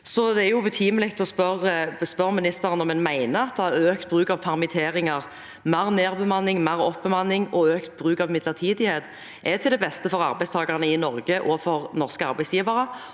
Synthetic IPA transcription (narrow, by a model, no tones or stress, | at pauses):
sɔd̪ɛæɾjʊbət̪ʰiːməlɪk̚t̪ɔspœʁəspœʁmɪnɪst̪əɾənɔmɛnmæɪnəɑt̪̚d̪ɛæøːkt̪̚bʁʉːkɑʋfʰɑʁmɪt̪ʰeːɾɪŋɑʁ | mæʁneːʁbəmɑnːɪŋmæːɾɔpbəmɑnːɪŋɔøːkt̪̚bʁʉːkɑʋmɪd̪ləʁt̪ʰiːd̪ɪheːt̪ | ʔɛt̪ʰɪld̪ɛbɛst̪əfɔɾɑ̰ɾbæɪst̪ʰɑːɡɑʁnəɪnɔɾɡəʔɔfɔɾnɔʁskəɑ̰ɾbæɪsjiːʋəɾə